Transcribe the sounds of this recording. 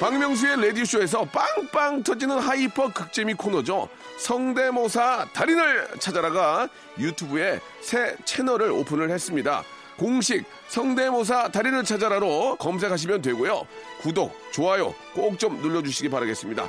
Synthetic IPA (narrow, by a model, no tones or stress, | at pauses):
paŋmjʌŋs̬ʰue̞le̞diɕʰue̞s̬ʰʌp͈aŋp͈aŋtʰʌd͡ʑinɯnhaipʰʌk͈ɯk̚t͡ɕ͈emikʰonʌd͡ʑo | sʰʌŋde̞mosʰataɾinɯɭt͡ɕʰad͡ʑaɾaɡa | jutʰubue̞ | sʰe̞t͡ɕʰe̞nʌɾɯɾo̰pʰɯnɯɭhe̞s͈ɯmɲida̰ | koŋɕʰik̚ | sʰʌŋde̞mos̬ʰataɾinɯɭt͡ɕʰad͡ʑaɾaɾokʌms̬ʰe̞kʰaɕ̬ʰimjʌnt̬we̞ɡojo̰kudok̚t͡ɕoɦajo̰ | k͈ok̚t͡ɕ͈omnuʎːʌd͡ʑuɕ̬ʰiɡipaɾaɡe̞s͈ɯmɲida̰